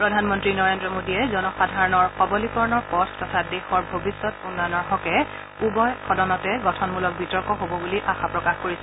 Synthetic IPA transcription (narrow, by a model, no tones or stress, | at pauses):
pɹɔdʱanmɔntɹinɔɹendɹɔmodiɛzɔnɔxadʱaɹɔnɔɹxɔbɔlikɔɹnɔɹpɔtʰtɔtʰadexɔɹbʱobisːɔtunːɔjɔnɔɹɦɔkɛ | ubɔjxʰɔdɔnɔtɛɡɔtʰɔnmulɔk̚bitɔɹkɔɦobɔbuliʔaxapɹɔkaxkoɹisɛ